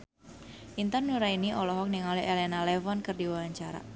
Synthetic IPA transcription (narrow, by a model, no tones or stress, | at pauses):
ʔint̪ərnuɾainiʔɔlɔɦɔk̚niŋaliʔelɛnalɛfɔnkərdiwawaɲt͡ʃaɾa̰